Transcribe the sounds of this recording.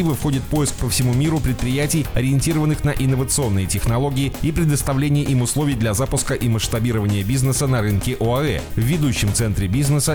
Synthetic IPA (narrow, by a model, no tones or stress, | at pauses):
ivɨfxo̞dʲɪt̪̚po̞jɪsk̚pəfsʲɪmumʲiɾʊpɾʲɪt̪̚pɾʲɪjætʲɪjɐɾʲɪɪnʲtʲiɾəvənːɨxnəʔɪnːəvət̪sɨo̞nːɨjətʲɪxnɐlˠo̞ɡʲɪɪipɾʲɪd̪əst̪ɐvlʲenʲɪjəʔimʊslˠovʲɪjd̪lʲazapʊskəʔiməʂt̪ɐbʲiɾəvənʲɪjəbʲiznəsənɐɾɨnkʲɪʔoaɛ̰vʲːɪd̪uɕːɪmt̪sɛnt̪ɾʲɪbʲiznəsə